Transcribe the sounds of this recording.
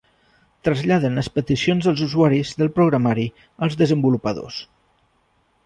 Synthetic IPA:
t̪ɾəzʎaðənəspət̪isionzðəlˠzuzuaɾizðəlˠpɾuɣɾəmaɾi | əlˠzðəzəmbulupəðo̰s

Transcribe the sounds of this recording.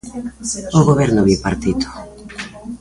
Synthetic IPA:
oɣoβɛɾnʊβiwpaɾt̪it̪ʊ̥

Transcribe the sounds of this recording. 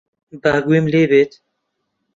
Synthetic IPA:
baːɡwemleːbeːt̪

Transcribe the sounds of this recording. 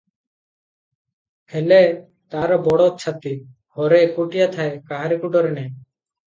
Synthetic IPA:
hɛlɛ | t̪aɾɔbɔɽɔt͡ʃʰat̪i | hɔɾɛkuʈijat̪ʰaekaɦaɾikuʈɔɾɛnɛ

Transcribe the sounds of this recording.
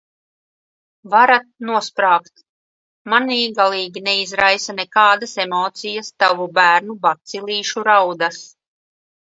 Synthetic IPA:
vaɾat̪̚nuɔspɾaːkt̪ | maniːɡalˠiːɡʲinɛizɾajsanɛkaːd̪asemɔːt̪sijast̪avubæːɾnubat̪siliːʃuɾawd̪as

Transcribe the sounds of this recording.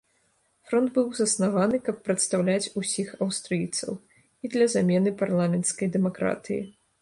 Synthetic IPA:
fɾɔnd̪bɨwzɐsnavanɨkɐpːɾɐt̪st̪awlʲat͡sʲusʲixɐwst̪ɾɨjt̪sɐ̰w | id̪lʲɐzamʲɛnɨparlˠamʲɛnt̪skɐjd̪ɛmakɾa̰t̪ɨjḭ

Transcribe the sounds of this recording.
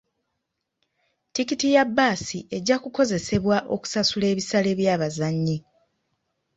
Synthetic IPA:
tikitijabːaːsiʔe̞ɟːakuko̞ze̞se̞βwaʔo̞ku̥sasule̞ːβisale̞βjaːβazaɲːi

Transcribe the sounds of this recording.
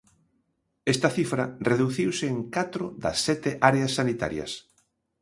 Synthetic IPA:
est̪ɐθifɾɐreðuθiwsɪːŋkat̪ɾʊðɐ̰sːɛt̪ɪʔaɾeasːanit̪a̰ɾjɐ̰s

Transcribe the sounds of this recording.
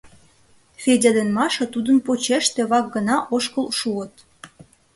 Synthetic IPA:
fʲedʲed̪enmɑʃɤt̪ud̪ənpot͡ɕeʃt̪ĕβɑk̚ɡənɑʔoʃkəlʃuət̪

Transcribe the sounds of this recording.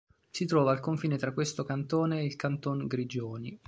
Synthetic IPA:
sit̪ɾɔːvaːlkoɱfiːnet̪ɾakːwest̪okant̪oːneːlkant̪oŋɡɾid͡ʒoːni

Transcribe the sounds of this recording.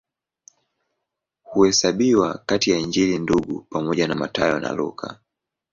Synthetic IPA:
huhɛsaɓiwakatijaiɲd͡ʒilinduɡupamɔʄanama̰tajɔna̰lṵkʰa̰

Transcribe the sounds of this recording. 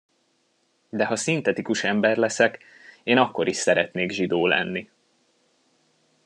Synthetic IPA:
d̪ɛɦɒsint̪ɛt̪ikuʃɛmbɛrlɛsɛk | eːnɒkːo̞ɾiʃsɛɾɛt̪neːɡʒid̪oːlɛ̰nːi

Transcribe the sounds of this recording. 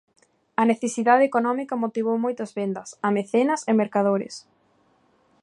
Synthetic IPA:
ɐneθesiðaðeekonɔmikɐmot̪iβ̞owmojt̪ɐzβend̪ɐsɐmeθenɐsemeɾkað̞oɾɪ̰s

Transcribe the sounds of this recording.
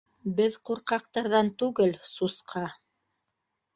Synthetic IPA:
bɘðquɾqɑqt̪ɑɾðɑnt̪ʉɡɘlsusqʰɑ

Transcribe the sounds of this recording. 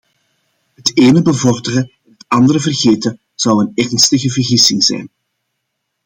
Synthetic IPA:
ɦəteːnəbəvɔrdərəɛnətɑndəɾəvərɣeːtə | z̥ɑwənɛrnstəɣəvərɣisɪŋz̥ɛ̰jn

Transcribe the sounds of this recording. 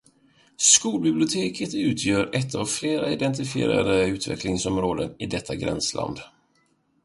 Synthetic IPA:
skuːlbɪblɪʊt̪ʰeːkʰət̪ʉ̟ːt̪ʰjœːɾɛt̪ʰːavfleːɾaɪd̪ɛnt̪ɪfɪḛːɾa̰d̪əʉ̟ːt̪vɛ̰klɪŋsɔmɾoːd̪ənɪd̪ɛt̪ʰːaɡɾɛ̰nslʔa̰nd̪

